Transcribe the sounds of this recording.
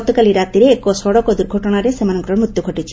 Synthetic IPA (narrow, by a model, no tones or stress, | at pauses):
t̪ɔkaliɾat̪iɾeːkɔsɔɽɔkɔd̪uɾɡʱɔʈɔɽ̃aɾesemanɔŋɡɾɔɾmɾut̪ːjuɡʱɔʈit͡ʃʰi̥